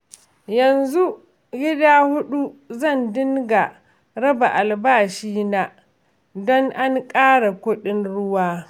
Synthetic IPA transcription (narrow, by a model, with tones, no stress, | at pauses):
jɐ˨nzu˦ | ɡʲɪ˦daː˦hʊ˦ɗu˦zɐ˦˨ndɪ˦ŋɡa˨ | ɾɐ˦ba˨ʔa˨lbaː˦˨ʃiː˦na˨ʔ | dɔ˦ŋʔa˦ŋkʼaː˦ɽa˨kʷʊ˦ɗɪ˦nɽʊ˦waː˦